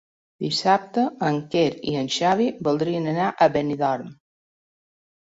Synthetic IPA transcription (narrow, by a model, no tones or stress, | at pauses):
d̪isap̚t̪əəŋkeɾḭənʃaβibulˠd̪ɾiənənaʔəβeniðɔɾm